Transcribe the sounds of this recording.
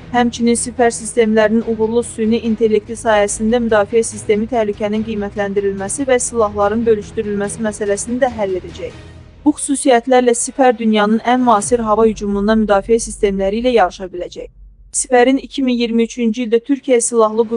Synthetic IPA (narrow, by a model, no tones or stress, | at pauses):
hæmt͡ʃʰininsifæɾsist̪e̞mlæɾininuɣuɾlˠusyniʔint̪ʰe̞lːe̞k̚t̪ʰisɑːhæsind̪æmyd̪ɑːfiæsist̪e̞mit̪ʰæhlycʰæninɡijmæt̪ʰlænd̪iɾilmæsivæsilˠɑɦlˠɑɾɯnbø̞lyʃt̪yɾylmæsimæsælæsinid̪æɦælːe̞d̪æd͡ʒæj | b̥uxy̥suːsijæt̪læɾlæsifæɾd̪ynjɑnɯnænmɑːsiɾɦɑvɑhyd͡ʒumund̪ɑmyd̪ɑːfijæsist̪e̞mlæɾiːlæjɑɾɯʃɑbilæd͡ʒæj | si̥fæɾinicʰiminjiɾmiyt͡ʃʰynd͡ʒiild̪æt̪ʰyɾcʰijæsilˠɑɦlˠɯɡu